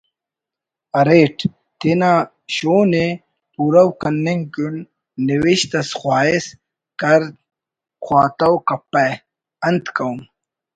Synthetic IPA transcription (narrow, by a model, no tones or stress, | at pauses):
ɐɾeːʈʰ | t̪ena | ɕoːne | puːɾɐwkɐnːeŋkunː | iwiɕt̪ɐsxwaːis | kɐɾ | xwaːt̪ɐwkɐpːɐ | ɐnt̪kɐwm